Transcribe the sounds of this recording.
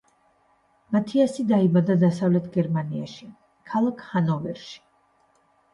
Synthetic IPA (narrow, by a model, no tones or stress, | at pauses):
mat̪ʰiasid̪aibad̪ad̪asavlɛt̪ʰɡɛɾmania̰ʃi | kʰalˠakʰhanɔvɛɾʃi̥